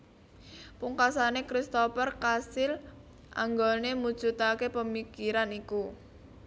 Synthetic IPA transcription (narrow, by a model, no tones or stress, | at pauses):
puŋkasanekɾist̪opərkasɪl | ʔa̰ŋɡɔnemud̥ʒ̥ṳt̪akepəmikiɾaniku